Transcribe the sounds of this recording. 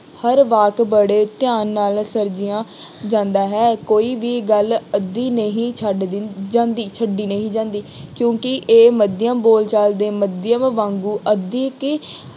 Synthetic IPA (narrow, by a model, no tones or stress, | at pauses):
həɾʋaːkbəɽeːt̪ɪjaːnːaːlsəɾd͡ʒɪjãː | d͡ʒãːnd̪aːɦɛːkoːiːʋiːɡələd̪ːiːnəɦĩːt͡ʃʰəɖd̪d͡ʒãːnd̪iːt͡ʃʰəɖiːnəɦĩːd͡ʒãːnd̪iːkjõːkɪʔeːməd̪ɪjəmboːlt͡ʃald̪eːməd̪ɪjəmʋãːŋɡuːʔəd̪iːkː